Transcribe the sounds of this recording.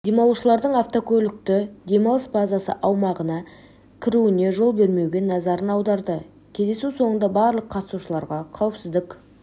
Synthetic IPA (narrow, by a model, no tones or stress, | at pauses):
d̪e̞mɑlˠuʃəlˠɑɾd̪əɴaft̪o̞kʲʰɵlʲɪk̚t̪ɪd̪e̞mɑlˠəsbazasə̰ʔɑwmɑʁənɑ | kʲʰɪɾuɪne̞ʒo̞lˠbe̞ɾme̞wɡʲe̞nɑzɑɾənɑwd̪ɑɾd̪ə | kʲʰe̞zd̪e̞suso̞ɴənd̪ɑbɑɾlˠəqʰːɑt̪əsuʃəlˠɑɾʁɑqʰɑwəpsɪzd̪ɪk